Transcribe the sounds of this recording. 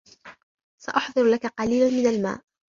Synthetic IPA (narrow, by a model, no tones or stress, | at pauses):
saʔɑħd̪ˤɨɾlakaqɑliːlanmɪnalma̰ːʔ